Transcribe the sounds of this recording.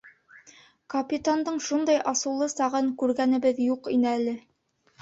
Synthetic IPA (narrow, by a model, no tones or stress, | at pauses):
kɐpʲit̪and̪ɤɴʃund̪ɑjʔɑsɤ̆lˠɤsɑʁɤŋkʉɾɡænɘ̆bɘðjuqinɘælɘ